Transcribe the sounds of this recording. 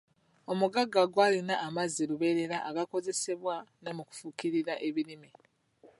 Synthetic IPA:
o̞muɡaɡːaɡwaːlinaːmazːiluβe̞ɾe̞ɾaʔaɡako̞ze̞se̞βwanomuku̥fukiɾiɾaʔe̞βiɾimi

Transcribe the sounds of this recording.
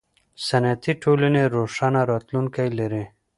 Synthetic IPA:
sanat̪iʈʰolaneɾoʂanaɾɑt̪luŋkajlaɾi

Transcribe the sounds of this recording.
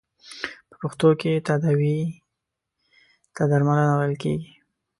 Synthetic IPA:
pə̥puxt̪oket̪ad̪awi | t̪ad̪aɾmalanawajəlkeɡi

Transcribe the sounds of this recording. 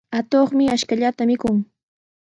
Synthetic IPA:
at̪oχmɪaʃkaʎat̪amɪkʊŋ

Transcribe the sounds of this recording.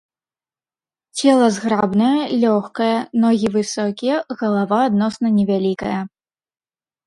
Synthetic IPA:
t͡sʲɛlˠɐzɣɾabnɐjɐlʲɔxkɐjɐnɔɣʲivɨsɔkʲijɛɣɐlˠavaːd̪nɔsnɐnʲɛvʲalʲikɐjɐ

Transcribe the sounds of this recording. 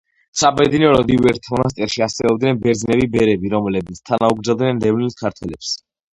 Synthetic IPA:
sabɛd̪inɔɾɔd̪ivɛɾt̪ʰmɔnas̬t̪ʼɛɾʃiasɛɔb̚d̪nɛnbɛɾd̪zinɛbibɛɾɛbiɾɔmlɛbit̪sʰt̪ʰanauɡɾdzad̪nɛnɾɛvnilskʰaɾt̪ʰwɛlɛps

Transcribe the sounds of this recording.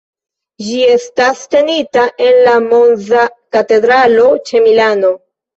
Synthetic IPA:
d͡ʒie̞staste̞nitaʔe̞nlamo̞nzakate̞dɾalo̞t͡ʃe̞milano̞

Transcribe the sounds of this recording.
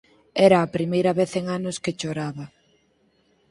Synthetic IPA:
ɛɾɐːpɾimejɾɐβeθeŋanʊsket͡ʃoɾaβɐ

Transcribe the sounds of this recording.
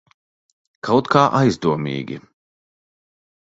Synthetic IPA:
kʰawt̪kaːʔajzd̪uɔmḭːɡʲḭ

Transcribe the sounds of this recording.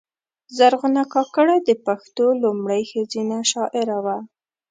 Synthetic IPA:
zaɾɣʊnakɑkəɽad̪əpaxt̪olʊmɽəjxəzinaʃɑʔɪɾawa

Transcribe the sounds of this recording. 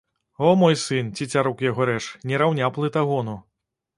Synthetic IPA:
ɔmɔjsɨnt͡sʲit͡sʲaɾɔkjaɣɔɾɛt͡ʂnʲɛɾawnʲaplˠɨt̪aɣɔnu

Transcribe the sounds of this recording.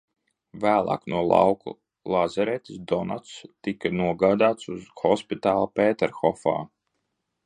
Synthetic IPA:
væːlˠa̰ːknuɔlˠa̰wkṵ | lˠazaɾɛt̪ʲisd̪ɔna̰t̪st̪ikanuɔɡaːd̪aːt̪suzxɔspit̪aːlˠapɛːt̪ɛɾxɔfa̰ː

